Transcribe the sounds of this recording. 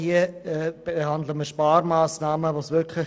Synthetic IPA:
hiəɛːb̥eɦandləməʃpaːɾmaːsnaːməvoːsʋɪkʰlɪ

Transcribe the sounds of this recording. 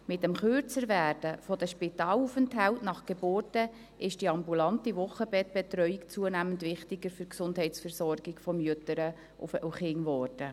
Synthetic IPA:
mɪtːɛmχørt͡səɾʋæːrd̥əfɔdəʃpɪtɑːlufəntɦæltnɑχɡ̥eboːrtə | ɪʃd̥iɑmbulɑntiʋʊχːəbɛt̚b̥ɛtɾœʏikt͡suənæːməndʋɪχtɪɡəɾfyɾksʊndhɛɪtsfɛɾsɔrɡɪɡfɔmjøtəɾə̰ | uχɪŋʋɔːrd̥ə

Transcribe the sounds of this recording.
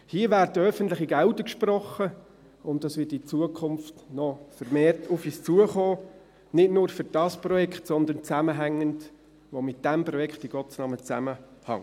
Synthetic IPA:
hiəvæːɾtəœfəntlɪχiɡælʊdəkʃprɔχːə | ʊnt̚d̥ɑsʋɪtit͡suəkʰʊnftnɔfəɾmeːrtʰʊfiːst͡suəχoː | nɪtnʊːɾfʏɾd̥ɑsprɔjɛkχtsɔnd̪ənt͡sæməɦæŋːənd | ʋomɪt̚d̥æmprɔjɛkχtiɡ̥ɔtt͡snɑmət͡sæ̰məhɑ̰ŋ

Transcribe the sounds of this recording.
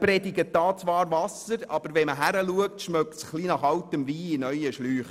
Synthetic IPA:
pɾɛdɪɡəd̥ɑːt͡sʋɑːɾʋɑsəɾɑb̥əɾʋɛməɦæɾəluək̚tʃmœktsχlinɑχɑltəmʋiːɪnœjəʃlyːχ

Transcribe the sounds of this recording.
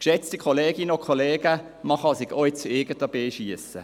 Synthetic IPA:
kʃɛt͡stikʰoleːɡinəokʰχoleːɡ̥ə | mɑχɑsɪɡoɪt͡st͡suɪɡətəb̥eːʃiəsə̰

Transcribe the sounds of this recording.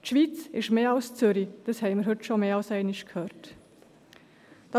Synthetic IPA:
tʃʋiːt͡sɪʃmeːɑlst͡sʏɾid̥əshɛɪmɪɾɦɵtʃomeːɑlsɛɪnɪʃkʰhøːɾt | d̥ɑ

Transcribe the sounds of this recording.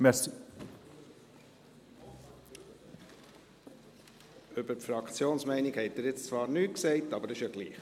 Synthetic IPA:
mɛsi | øbəɾfɾɑkʰt͡sjoːnsmɛɪnɪkhɛɪtːɪːɾjɪt͡st͡svɑːɾnyːksɛɪtɑbəɾɪʃjɑɡlḭːχ

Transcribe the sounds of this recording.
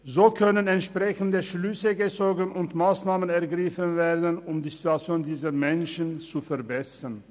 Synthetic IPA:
zoːkʰœnənɛntʃpʁ̥ɛçn̩dəʃlʏsəɡət͡soːɡnʊntmaːsnaːmənɛɐɡʁɪfənveːɐdnʊmdiːzituat͡sjoːndiːzɐmɛnʃənt͡sufɛɐbɛsɐn

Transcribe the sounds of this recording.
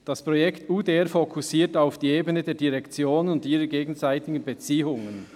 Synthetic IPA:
d̥ɑspʁɔjɛktuːdeɛʁfokʰusiːtaʊfd̥iːeːbənədeːɐdiʁɛkt͡sjoːnənʊndiːʁəɡeːɡn̩zaɪtɪɡən̩bet͡siːʊŋən

